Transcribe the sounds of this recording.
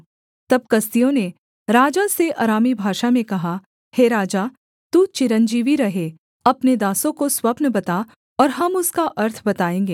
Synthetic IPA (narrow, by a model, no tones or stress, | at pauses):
t̪ɐb̚kɐst̪ijõne | ɾaːd͡ʒaseʔaːɾaːmibʱaːʃamẽkɐɦa | heːɾaːd͡ʒaː | t̪uːt͡ʃɪɾənd͡ʒiːʋiɾɐɦe | ɐpned̪aːsõkoswɐpnəbɐt̪a | ɔːɾɦɐmʊskaʔɐɾt̪ʰbɐt̪aːẽːŋɡeː